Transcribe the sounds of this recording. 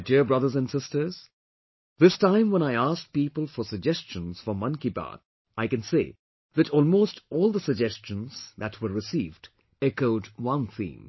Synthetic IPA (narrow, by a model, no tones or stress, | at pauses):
diɹbɹʌðə˞zæ̃nsɪstə˞z̥ | ðɪstãɪ̃mwə̃ñaɪæsk̚piːpəl̩ˠfə˞səɡ̚d͡ʒɛst͡ʃə̃nz̥fɔ˞mʌ̃nkiba̰d | ʔaɪkɨ̃nseɪ | ðɨɾɔlˠmostɔlˠðəsəɡ̚d͡ʒɛst͡ʃə̃nz̥ðætʰwə˞ɹɨsiːvd | ɛkoʊdwʌ̃nθḭ̃ːm